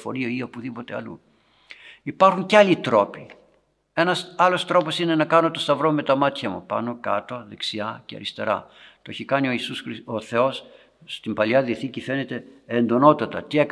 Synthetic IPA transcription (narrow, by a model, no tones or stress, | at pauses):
fo̞̰ɾioio̞puðipo̞t̪eɐ̰lṵ | ipɐɾxuɲceɐlit̪ɾo̞pi | e̞nɐsɐlo̞st̪ɾo̞po̞sine̞nɐkɐno̞t̪o̞st̪ɐvɾo̞me̞t̪ɐmɐt̪çɐmṵpɐ̰no̞kɐ̰t̪o̞ðe̞ksiɐceɐ̰ɾist̪e̞̰ɾɐ̰t̪oeçikɐnio̞isusɾioθe̞o̞s | st̪imbɐliɐðiθicife̞ne̞t̪e̞end̪o̞no̞t̪ɐt̪ɐt̪iek